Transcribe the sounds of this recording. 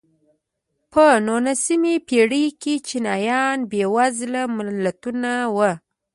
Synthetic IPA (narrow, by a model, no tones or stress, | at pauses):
pənonasimepeɽiket͡ʃinɑjɑnbewazlamɪlːat̪unawə